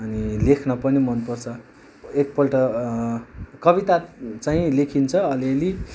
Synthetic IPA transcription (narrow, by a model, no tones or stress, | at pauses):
ʌnilekʰnʌpʌnimʌnpʌrt͡sʰʌ | ek̚pʌlʈʌ | kʌbit̪at͡saɦĩlekʰint͡sʰʌʌlieli